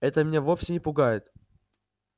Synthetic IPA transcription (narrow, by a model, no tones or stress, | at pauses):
ɛt̪əmʲɪnʲevo̞fʲsʲɪnʲɪpʊɡajɪt̪